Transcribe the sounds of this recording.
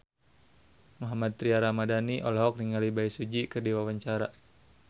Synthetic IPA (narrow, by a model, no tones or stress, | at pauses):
muɦamat̪̚t̪ːɾiaɾamadaniʔɔlɔɦɔk̚niŋalibaisud͡ʒikərdiwawaɲt͡ʃaɾa